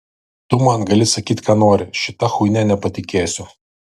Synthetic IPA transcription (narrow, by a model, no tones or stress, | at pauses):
t̪ʊmɐnɡɐlʲɪsɐkʲiːt̪ʲkɑːnoːɾʲɪʃʲɪt̪ɐxʊɪnʲɛnʲɛpɐt̪ʲɪkʲeːsʲʊ